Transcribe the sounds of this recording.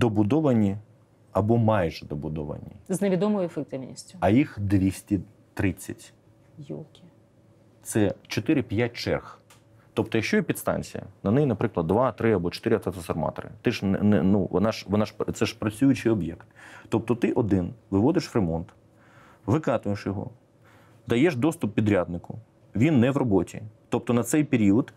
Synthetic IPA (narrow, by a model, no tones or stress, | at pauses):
d̪ɔbʊd̪ɔʋɐnʲi | ɐbɔmɑjʒɛd̪ɔbʊd̪ɔʋɐ̰nʲḭzneʋʲid̪ɔmɔjʊefek̚t̪ɪwnʲḭsʲtʲʊɐjixd̪ʋʲisʲtʲi | t̪ɾɪt͡sʲːɐtʲ | kʲ | t̪sɛt͡ʃɔt̪ɪɾɪpʲjat̚ʲt͡ʃɛ̰rx | t̪ɔpt̪ɔjɐkʃt͡ʃɔjɛpʲid̪st̪ɑ̰nʲt͡sʲḭjɐ̰nɐnɛjinɐpɾɪklˠɐd̪ːʋɑt̪ɾɪɐbɔt͡ʃɔ̥t̪ɪɾɪɐt̪ɐt̪ɔsɐrmɑ̰t̪ɔ̰ɾɪ̰t̪ɪʃnɛnuʋɔ̰nɑʃʋɔnɑʃt̪sɛʃpɾɐt͡sʲujʊt͡ʃɪjɔbjɛ̰kt̪t̪ːɔp̚t̪ɔt̪ɪʔɔd̪ɪnʋɪʋɔd̪ɪʃʋremɔnt̪ | ʋɪkɑt̪ʊjeʃjɔɦɔ̰ | d̪ɐjɛʃd̪ɔst̪ʊpːʲid̪ɾʲad̪nɪkʊ | ʋʲinːɛʋrɔbɔtʲḭt̪ɔp̚t̪ɔnɐt̪sɛjpeɾʲiɔd̪